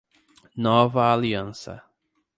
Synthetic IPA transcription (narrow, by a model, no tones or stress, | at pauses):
nɔvɐaliɐ̃sɐ̰